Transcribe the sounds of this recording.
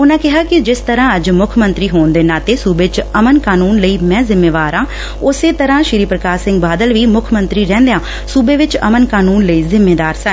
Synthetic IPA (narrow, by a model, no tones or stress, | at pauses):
ʊnãːkɪɦaːkɪd͡ʒɪst̪əɾãːəd͡ʒmʊkʰmə̃nt̪ɾiːɦoːnd̪eːnaːt̪eːsuːbet͡ʃəmənkaːnuːnləiːmɛ̃ːzɪmːeːʋaːɾãː | ʊseːt̪əɾãːʃɪɾiːpɾəkaːsɪ̃ŋɡbaːd̪əlʋiːmʊkʰmənt̪ɾiːɾɛ̃ːnd̪ejãː | suːbeːʋɪt͡ʃə̰mənkaːnuːnləiːzɪmːeːd̪aːɾsə